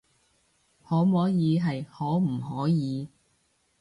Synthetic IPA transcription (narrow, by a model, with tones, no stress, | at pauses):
hɔː˨˥mɔː˨˥jiː˨˧ɦɐ˨jhɔː˨˥m̩˨˩hɔː˨˥jiː˨˧